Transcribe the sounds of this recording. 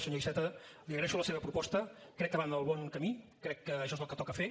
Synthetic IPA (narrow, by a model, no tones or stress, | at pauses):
səɲoβisɛt̪əliəɣɾɛʃuləseβəpɾupɔst̪ə | kɾɛk̚ːəβanəlˠβɔŋkəmikɾɛkːəːʃɔezəlˠkət̪ɔkəfe